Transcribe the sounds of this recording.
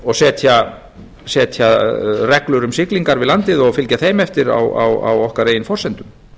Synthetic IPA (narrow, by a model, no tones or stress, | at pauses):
ɔɣsɛːt̪ʰja | sɛːt̪ʰjarɛklʏɾʏmsɪkliŋkaɾvɪðlant̪ɪðɔɣfɪlcaθeːjmɛft̪ɪɾa̰wa̰wa̰wɔhkarejɪnfɔrsɛnt̪ʏm